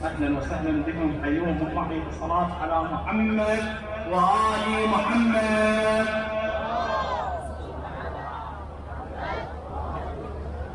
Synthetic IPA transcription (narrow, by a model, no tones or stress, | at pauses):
ʔaħlanwasalːɪmbɪkʊmħajuːmʊmɑħiɑsˤːɑlaːt̪ʕalaːmʊħamːad̪̚ | waʔaːlɪmʊħamːad̪